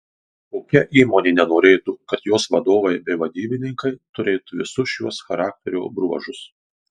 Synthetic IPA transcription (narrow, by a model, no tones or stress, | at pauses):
koːkʲɛʔiːmoːnʲeːnʲɛnoːɾʲeːt̪ukɐt̪joːsʋɐd̪oːʋɐɪbʲɛɪʋɐd̪ʲiːbʲɪnʲɪŋkɐɪt̪ʊɾʲeːt̪uʋʲɪsʊʃjuɔsxɐɾɑːk̚t̪ʲɛɾʲṵːbɾuɔʒʊs